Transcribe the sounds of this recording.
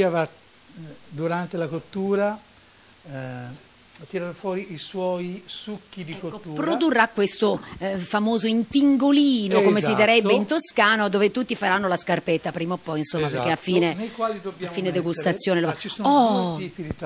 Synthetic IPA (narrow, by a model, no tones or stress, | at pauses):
iava | d̪uɾant̪elakot̪ːuːɾa | t̪iɾaofwɔːɾiiswɔjsukːid̪ikoːuːpːɾod̪urːakːwest̪ofamoːzoint̪iŋɡolinokomesid̪iɾɛbːeint̪oskaːnod̪oːvet̪ut̪ːifaɾanːolaskarpɛt̪ːapɾiːmapːɔjinsomːapeɾk̟eafːiːnenejkwaːlid̪objafiːned̪eɡust̪at̪sːjoːneloat͡ʃisonɔipiit̪a